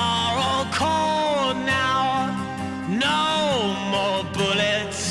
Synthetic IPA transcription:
ɹokʰɔlˠnaʊ | noʊmɔɹbʊlɪt

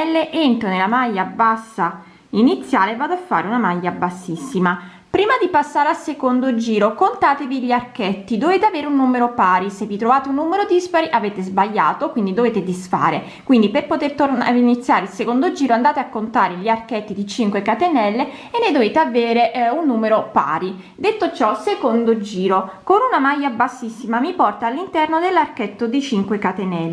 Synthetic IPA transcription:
lːeʔent̪ɾonelamajːabasːa | init̪sːjaːlevaːd̪oafːa̰ːɾeunamajːabasːisːima | pɾiːmad̪ipasːaːɾealsekond̪od͡ʒiːɾokont̪aːt̪eviʎiarkɛt̪ːid̪oveːt̪eaveːɾeunːumeɾopaːɾisevːit̪ɾovaːt̪eunːuːmeɾod̪ispaɾiʔaveːt̪ezbaʎːa̰ːt̪okwind̪id̪oveːt̪ed̪isfa̰ːɾe | kwind̪iperpot̪ert̪orna̰init̪sːjaːɾeilsekond̪od͡ʒiːɾoand̪aːt̪eakːont̪aːɾeʎiarkɛt̪ːid̪it͡ʃiŋkwekat̪enɛlːe | enːed̪oveːt̪eaveːɾeʔunːuːmeɾopa̰ːɾi | d̪et̪ːot͡ʃɔsekond̪od͡ʒiːɾokonunamajːabasːisːimamipɔrt̪aːlːint̪ɛrnod̪elːarkɛt̪ːod̪it͡ʃiŋkwekat̪enɛle

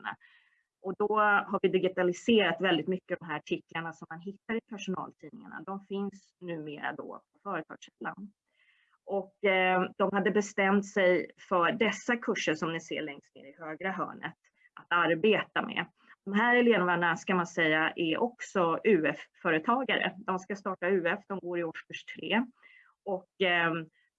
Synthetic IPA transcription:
na̰ | ʔɔd̪ɔɦaɾvɪd̪ɪɡɪt̪alɪseːɾat̪vɛld̪ɪt̪mʏkːəd̪ɔmɦæːɾaʈʰɪklaɳasɔmːanɦɪt̪ːaɾɪpʰæʂʊnɑ̰ːlt̪ʰiːnɪŋa̰ɳa̰d̪ɔmfɪns | nʉ̟ːmeːɾa̰d̪ɔ̰pʰɔfœːɾət̪ʰɑ̰ːɡʂɛlːa̰n | ʔɔkd̪̥ɔmhad̪ːəbɛst̪ɛmt̪sɛjfœɖɛsːakʰɵʂːəɾʂɔmnɪsḛːɭɛŋst̪nḛːɾɪhøːɡɾaɦœ̰ːɳə̰t̪ | ʔat̪aɾbeːt̪amɛ̰ | d̪̥ɔmɦæːɾɛleːnamaɳaskamansɛjːaʔɛɾʔɔksɔʉ̟ːɛfːœːɾət̪ʰɑːɡaɾə̰d̪ɔmskast̪ɑːʈaʉ̟ːɛfd̪ɔmɡoːɾɪɔʂkɵʂt̪ʰɾḛː | ɔk

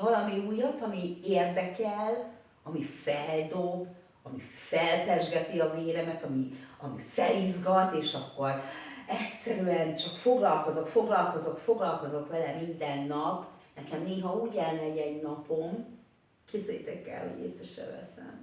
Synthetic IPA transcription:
vɒlɒmiuːjɒt̪ɒmieːrd̪ɛkɛl | ɒmifɛld̪o̞b | ɒmifɛlt̪ɛʒɡɛt̪iɒveːɾɛmɛt̪ɒmiɒmḭfɛlizɡɒt̪eːʃɒkːo̞rɛctsɛɾyɛnt͡ʃɒkfo̞ɡlɒlko̞zokfo̞ɡlɒlko̞zokfo̞ɡlɒlko̞zo̞kʋɛlɛmind̪ɛnːɒpnɛkɛmneːɦɒuːɟɛlnɛɟɛɟnɒpo̞m | kezɛjt̪ɛkɛ̰lho̞ɟḛːsɛʃɛ̰lvɛ̰sɛ̰n

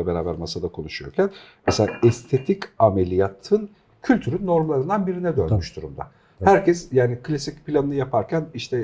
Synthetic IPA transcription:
ɛbeɾaːbæɾmasad̪akʰo̞nuʃujoɾcʲʰænmɛselʲaːʔɛst̪ʰe̞t̪ʰicamelʲijat̪ʰɯn | cʰylʲt̪ʰyɾynːo̞ɾmalˠaɾɯnd̪anbiɾinɛd̪ønmyʃd̪uɾumd̪a̰ | hæɾcɛsjaːnikʰlʲasic̚pʰilʲanɯnɯjapʰaɾcʰæniʃt̪ʰɛ

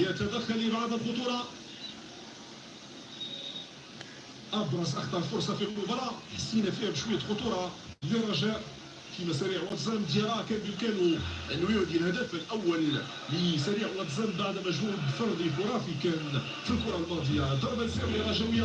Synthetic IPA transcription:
jæt̪æd̪æxːælibaʕd̪əlxʊt̪uɾˤɑ | ʔɑb̪ɾˤɑsʔɑkt̪ˤɑɾˤlfʊɾˤsˤɑfilʊbɑɾˤɑħasːinæfihæbʃwəjːæxʊt̪ˤuɾˤɑliɾˤɑʒæʔ | fimæsæɾiʕwɑt̪zæmd̪jæɾækænbkænuʔənːujud̪ilhæd̪æfəlʔæwːæli | lisæɾiʕwɑt̪zæmbaʕd̪mæʒmubfɑɾˤd̪ifʊɾˤɑfikæn | filkʊɾˤɑlmɑd̪ˤəjːad̪ˤːɑɾˤbalsæbəɣæʒæwəjːæ

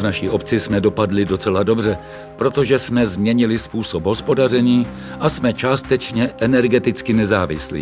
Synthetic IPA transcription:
vnaʃiːʔo̞pt͡sɪsmɛdo̞padlɪdo̞t͡sɛlado̞br̝ɛ | pɾo̞t̪o̞ʒɛsmɛzmɲɛɲɪlɪspuːso̞pɦo̞spo̞dar̝ɛɲiː | ʔasmɛt͡ʃaːst̪ɛt͡ʃɲɛʔɛnɛɾɡɛt̪ɪt͡skɪnɛzaːvɪ̰slḭː

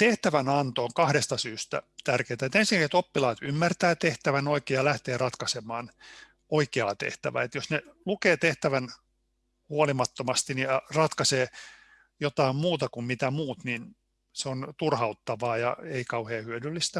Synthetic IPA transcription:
t̪eht̪æʋænɑnt̪oːŋkɑhɾest̪ɑsyːst̪æ̰t̪ærkeːt̪æet̪ensiŋkækiset̪opːilɑːt̪ymːært̪æːt̪eht̪æʋænoikeːjɑlæht̪eːrɑt̪kɑsemɑːn | oikeɑ̰t̪ḛht̪æ̰ʋæ̰ːet̪josnelukeːt̪eht̪æʋæn | huolimɑt̪ːomɑst̪inirɑt̪kɑseː | jot̪ɑimmuːt̪ɑkummit̪æmuːt̪nin | seont̪urhɑut̪ːɑʋɑːjɑ̰eikɑuheːhyødylːist̪æ

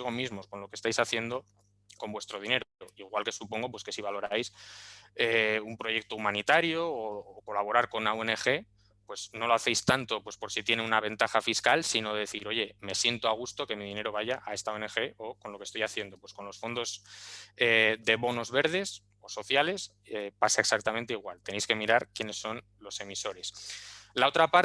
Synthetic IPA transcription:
ɣ̞o̞mizmo̞sko̞nlo̞kest̪ajsaθje̞nd̪o̞ | ko̞mbwe̞st̪ɾo̞ð̞ine̞ɾopeɾoiɣwalke̞supo̞ŋɡo̞pwe̞ske̞siβ̞alo̞ɾajs | eumpɾo̞ʝe̞k̚t̪o̞umãnit̪aɾjoːko̞laβo̞ɾaɾko̞nnaoe̞ne̞xe̞ | pwe̞zno̞lo̞aθe̞jst̪ant̪o̞pwe̞spo̞ɾsit̪je̞neunaβ̞e̞nt̪axafiskalsino̞ðeðeθiɾo̞ʝe̞me̞sje̞nt̪oaɣ̞ust̪o̞ke̞miðine̞ɾo̞β̞aʝaʔae̞st̪aoene̞xe̞ʔo̞ko̞nlo̞kest̪o̞jaθje̞nd̪o̞pwe̞sko̞nlo̞sfo̞nd̪o̞zeðe̞βo̞no̞zβe̞ɾð̞e̞s | o̞so̞θjale̞s | epasaeksak̚t̪amẽnt̪eiɣ̞walt̪enejske̞miɾaɾkjene̞sːo̞n | lo̞se̞miso̞ɾe̞slao̞t̪ɾapaɾ

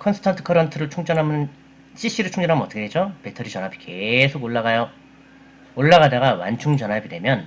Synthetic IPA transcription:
kʰʌnsʰɯ̥tʰantʰɯ̥kʰʌɾʌntʰɯɾɯɭt͡ɕʰuŋd͡ʑʌnɦamɯn | ɕ͈iɕ͈iɾɯɭt͡ɕʰuŋd͡ʑʌnɦamɯnʌt͈ʌkʰedwed͡ʑope̞tʰʌɾit͡ɕʌnɦabike̞sʰoɡoɭːaɡajʌ | oɭːaɣadaɡawa̰nt͡ɕʰuŋd͡ʑʌnɦabidwe̞mjʌn

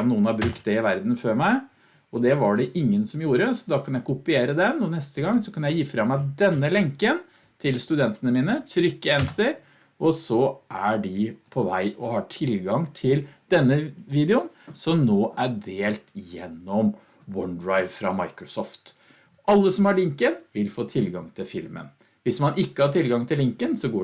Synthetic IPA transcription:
nuːənhɑɾbɾʉkt̪̚d̪ɛɪʋæɾd̪n̩føːɾmæɪ | ɔd̪ɛʋɑɖɛʔɪŋːənsɔmjuːɾəsɔd̪ɑːkʰɑnjæɪkʊpɪeːɾəd̪ɛnɔnɛst̪əɡɑŋːsɔkʰɑnjæɪjiːfɾɑmːæɪd̪ɛnːəlɛŋkən | t̪ʰɪlst̪ʉd̪ɛnt̪ənəmiːnət̪ʰɾʏkːəɛnt̪əɾ | ʔɔsɔʔæɖɪpʰɔʋæɪʔɔhɑʈʰɪlɡɑŋt̪ʰɪld̪ɛnːəʋiːd̪ɛʊnsɔmnoːʔæɖeːlt̪jɛnːɔm | wɔnd̪ɾɑɪʋfɾɑmɑ̰ɪkɾɔsɔːft̪ | ʔɑlːəsɔmhɑɭɪŋkənʋɪlfoːt̪ʰɪlɡɑŋt̪ʰɪlfɪlmə̰n | ʋɪsmɑnɪkːəhɑʈʰɪlɡɑŋt̪ʰɪlɪŋkənsɔɡoː

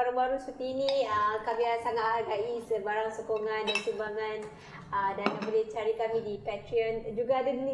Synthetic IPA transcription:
aɾaŋbaɾusut̪iːniəkabiasaŋat̪̚ɦaɡaisəbaɾaŋsokoŋandansimbaŋan | ədanabolit͡ʃaɾikamidipɛt̪ɾiənd͡ʒuɡaːdadini

